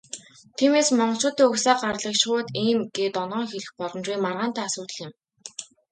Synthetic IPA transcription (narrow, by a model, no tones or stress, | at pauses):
t̪ʰiːmeːsmɔɴɢɞ̆ɬt͡ɕʊːt̪iːŋɵxsaːɢarɮə̆kʃʊːt̪iːmɡ̥eːt̪ɔnɔːŋxeɮɘ̆xpɔɮɞ̆nt͡ɕiːŋmarʁaːn̥t̪ʰaːasʊːt̪ə̆ɮɪ̆m